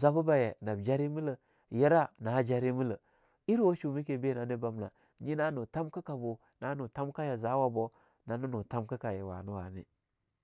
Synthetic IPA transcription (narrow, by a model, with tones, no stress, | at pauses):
za˦bu˦ba˨je˨na˨bd͡ʒa˦ɾi˦mi˦lə˨ | je˦ɾa˦na˨ha˦d͡ʒa˦ɾi˦mi˦lə˨ | i˦ɾwo˦ʃu˨mi˦ke˨be˦˨na˨˦ni˦ba˦mna̰˨ | ɲi˦na˦nu˨ta˦mkə˦ka˨bo˨ | na˨˦nu˨ta˦mka˦ja˨za˨˦wa˨bo˦ | na˨˦nu˦nu˨ta˦mkə˦ka˨je˨wa̰˨nu˦wa˨nḭ˦